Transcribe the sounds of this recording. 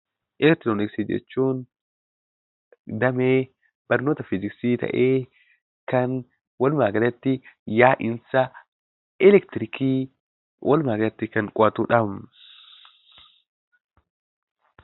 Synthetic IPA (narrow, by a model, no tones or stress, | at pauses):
ʔɛkt̪ɾoːnɪksɪd͡ʒɛ̰t͡ʃːuːn | d̪ɐmeː | b̥ɐɾno̞ːt̪ɐfɪzɪksiːt̪ɐ̰ʔeː | kɐn | wɐlmaːɡɐlɐt̪ːɪjaːʔɪnsɐ | ɛlɛkt̪ɪɾɪkʰiː | wʔɐlmaːɡɐlɐt̪ːɪkɐnkʼʊʔɐt̪uːᶑɐm